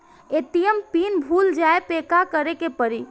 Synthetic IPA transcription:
et̪ijəmpinbʱuld͡ʒaepekakəɾekepəɾi

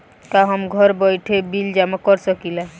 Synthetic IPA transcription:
kaɦɔmɡʱɔɾbɔjʈʰebild͡ʒamɔkɔɾsɔkila

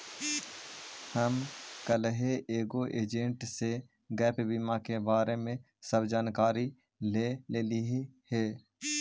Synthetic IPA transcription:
həmkəlɦeʔeːɡoʔeːd͡ʒẽɳʈse | ɡɛːpbiːmakebaːɾemẽ | səbd͡ʒaːnkaːɾi | leleːliɦhɛː

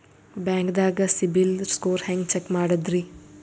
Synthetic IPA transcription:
baːŋɡd̪aːɡɐsibilskoːɾhaːŋɡt͡ʃekːmaːɽɐd̪ɾi

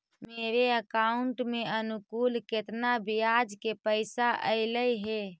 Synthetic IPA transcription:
meːɾeəkaʊɳʈmeənʊkuːlket̪nabijad͡ʒkepəɪsaʔə̰ɪləjɦe

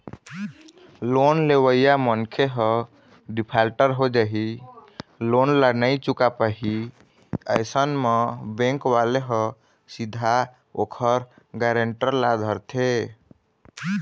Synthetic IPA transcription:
lonlewəjamənkʰeɦə̃ | ɖipʰalʈəɾɦod͡ʒaɦi | lonlanəjt͡ʃukapəɦi | ə̰jsənmebẽŋkʋaleɦə̃ | sid̪ʱa | okʰəɾ | ɡaɾeɳʈəɾlad̪ʱəɾt̪ʰe

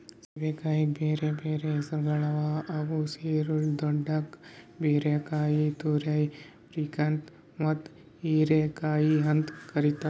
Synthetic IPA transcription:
sibekaːik̚bʱeːɾebʱeːɾesɐɾɡɐɭaʋaɐɡuseːɾuld̪ɔɖakbʱeːɾakaːjit̪uɾaj | pɾikɐnt̪ | mɐt̪ | iɾekaːjiɦɐnd̪kɐɾit̪a

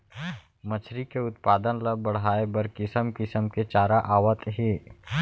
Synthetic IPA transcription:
mɐt͡ʃʰɾikeʊt̪paːd̪ənləbɐɽ̤aːebəɾkɪsəmkɪsəmket͡ʃaːɾaʔaːʋət̪ɦiː

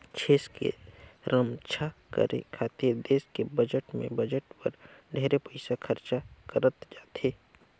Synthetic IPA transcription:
t͡ʃʰeːskḛɾəmt͡ʃʰakə̰ɾḛkʰaːt̪eɾd̪eːskebəd͡ʒəʈmḛ̃bəd͡ʒəʈpə̰ɾɖʱɛːɾepəɪsakʰəɾt͡ʃakəɾət̪d͡ʒaːt̪eː

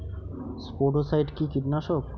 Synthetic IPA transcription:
spoɖosajʈkikiɾnaʃok

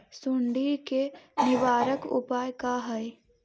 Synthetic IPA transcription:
sʊɳɖikenɪʋaːɾəkʊ̰paːjkaɦəe

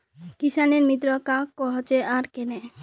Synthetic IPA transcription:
kisaneɾmit̪ɾokakːɔɦat͡ɕeaɾkene

